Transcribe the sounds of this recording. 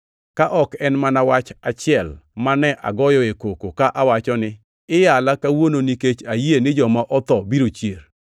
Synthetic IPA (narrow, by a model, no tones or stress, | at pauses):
kaʔɔkɛnmanawat͡ʃat͡ʃɪɛlmanɛʔa̰ɡɔjɔekokokaʔawat͡ʃɔnɪ | ɪjalakawononiket͡ʃajenɪd͡ʒɔmaʔɔt̪ɔbiɾot͡ʃjer